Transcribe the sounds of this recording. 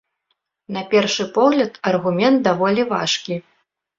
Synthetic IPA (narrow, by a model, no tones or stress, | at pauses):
nɐpʲɛrʂɨpɔɣlʲɐt̪ɐrɣumʲɛnt̪̚d̪avɔlʲiva̰ʂkʲi